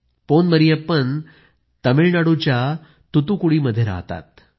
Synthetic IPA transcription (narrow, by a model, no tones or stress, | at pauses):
ponməɾijepən | t̪əmiɭnaɽut͡ɕja | t̪ut̪ukuɽiːməd̪ʱjeɾa̰ɦt̪a̰t̪̚